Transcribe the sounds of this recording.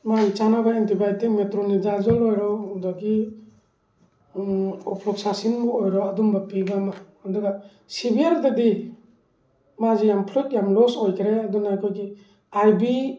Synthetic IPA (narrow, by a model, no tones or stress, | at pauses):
majt͡ʃanabaentibajtiŋmetɾɔnizazɔlɔjɾɔudɔki | ɔpʰlɔksasinmɔːjɾɔadumbapiɡamaandɔɡa | sibiaɾdadi | mazijampʰlut̚jamlɔsɔjkʰɾeadunajkʰojki | ajbi